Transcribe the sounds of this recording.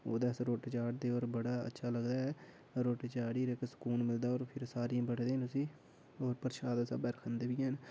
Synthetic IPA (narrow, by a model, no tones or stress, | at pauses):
o̰ːd̪aːsɾoːʈet͡ʃaːʈ̚d̪eːoːɾbəɽaːə̰tːʃʰaːləɡd̪aːɛː | ɾoːʈet͡ʃaːɽiːɾeksə̥kuːnmɪld̪aːoːɾpʰɪɾsaːɾiãːbəʈd̪eːnʊsiː | oːɾpəɾʃaːd̪sa̰ːbɛɾkʰənd̪eːʋiːɦɛːn